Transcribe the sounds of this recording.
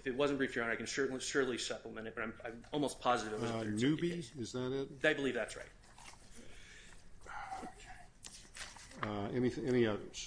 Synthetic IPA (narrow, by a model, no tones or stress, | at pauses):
ɨfɨt̚wʌz̃n̩b̥ɹifə˞ãʊ̃naɪkɨ̃nsɜ˞ʔn̩liʃʊɹʔlisʌpləmɛ̃ɾ̃ɨt̚bʌɾãɪ̃mãɪ̃mɔlˠmoʊspʰɑzɨɾɨvɨt̚wʌznʉbiɨzðɨɾɪt̚ðeɪbəlivðætsɹa̰ɪt̚ | okʰ | ɛniθɛniʌðə˞z̥